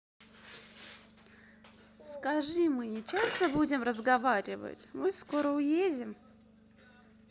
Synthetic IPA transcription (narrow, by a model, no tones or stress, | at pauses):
skɐʐɨmɨnʲɪt͡ɕast̪əbudʲɪmrəzɡɐvaɾʲɪvə̰tʲmɨsko̞ɾəʊjezʲɪm